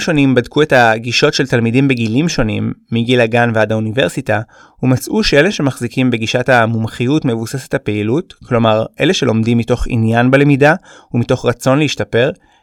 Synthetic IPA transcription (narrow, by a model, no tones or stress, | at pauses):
ʃo̞nimbadkʰue̞taɡiʃo̞tʃeltalmidimbeɡilimʃo̞nimːiɡilaɡanveadaunive̞ʁsita | humat͡sʔuʃee̞leʃe̞maχzikimbe̞ɡiʃatamumχijutmevuse̞se̥thape̞ilutklo̞maʁʔe̞̰le̞ʃe̞lo̞mdimːito̞χḭnjanbele̞midaumito̞χʁat͡so̞nleiʃtape̞ʁ